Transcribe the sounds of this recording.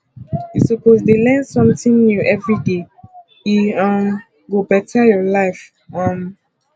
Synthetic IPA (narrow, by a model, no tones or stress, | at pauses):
jisɔpozdelɛ̃nsɔ̃mtĩŋnjuʔɛvɹide | iãm | ɡobɛtʰajɔlaɪf | ɔ̃n